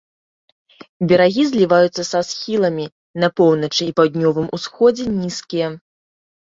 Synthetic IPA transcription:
bʲɛɾaɣʲizʲlʲivajut̪sːɐsasxʲilˠɐmʲi | nɐpɔwnɐt͡ʂɨːpawd̪̚ʲnʲɔvɨmusxɔd͡zʲɛnʲiskʲijɐ

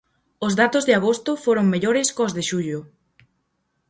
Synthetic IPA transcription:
ozðat̪ozðɪaɣ̞ost̪ʊfoɾoŋmeʎoɾɪskozðeʃuʎʊ

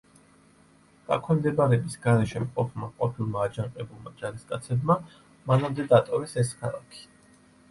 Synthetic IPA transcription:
ɡ̥a̰kʰwɛmd̪ɛbaɾɛbisɡaɾɛʃɛmqʼɔpʰmaqʼɔpʰilˠmaːd͡ʒaɴqʼɛbulˠmad͡ʒaɾiskʼat̪sʰɛbma | manamd̪ɛd̪at̪ʼɔvɛsɛskʰalˠa̰kʰi̥

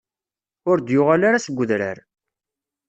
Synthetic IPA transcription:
ʊɾd̪jʊʁalaɾasəɡʷːʊðɾə̰ɾ

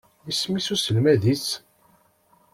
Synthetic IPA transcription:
ismisusəlmæðis

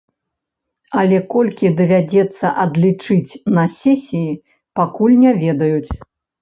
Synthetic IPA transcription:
ɐlʲɛkɔlʲkʲid̪ɐvʲad͡zʲɛt̪sːɐʔɐd̪lʲit͡ʂɨt͡sʲnɐsʲɛsʲiji | pakulʲnʲavʲɛd̪ɐjut͡sʲ

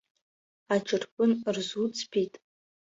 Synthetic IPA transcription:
aʈ͡ʂʼɨrkʷʼʊnrzut͡sʼʰpʰitʼ

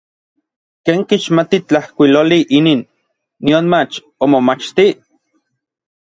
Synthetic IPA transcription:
keːŋkiʃmat̪it͡ɬahkʷiloliʔininː | ionmat͡ʃ | omomat͡ʃt̪i

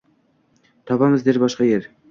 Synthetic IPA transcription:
t̪ʰɑpɑməzd̪eɾbɑʃqɑjeɾ

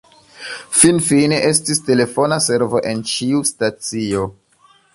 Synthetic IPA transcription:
finfineʔe̞stiste̞le̞fo̞nase̞ɾvo̞ʔe̞nt͡ʃiustat͡sio̞

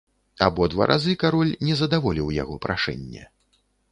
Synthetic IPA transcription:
abɔd̪va̰ɾʔazɨkaɾɔlʲnʲɛzɐd̪avɔlʲiwja̰ɣɔpɾʔaʂɛ̰nʲːɛ̰

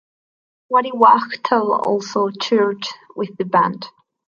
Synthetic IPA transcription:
waɾiwaktʰəlˠɔ̰lˠsoʊt͡ʃʰuɹdwɪðəbã̰nd̥

